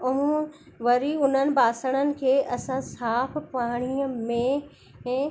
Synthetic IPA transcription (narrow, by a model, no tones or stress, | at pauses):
ʊmũ | ʋɐɾiʊn̤ənɪ̆baːsəɽ̃ənɪ̆kʰeːʔɐsãsaːpʰpaːɽ̃iəmẽ | ɛ̃ː